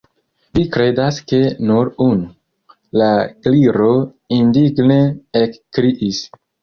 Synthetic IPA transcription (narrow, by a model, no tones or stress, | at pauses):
vikɾe̞daske̞nuɾunu | lakliɾo̞ | indiɡneekːɾiʔis